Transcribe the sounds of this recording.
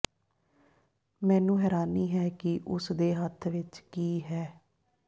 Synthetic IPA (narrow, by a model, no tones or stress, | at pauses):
mɛ̃ːnũːɦɛːɾaːniːɦɛːkɪʔʊsd̪eːɦət̪ʰʋɪt͡ʃkiːɦɛː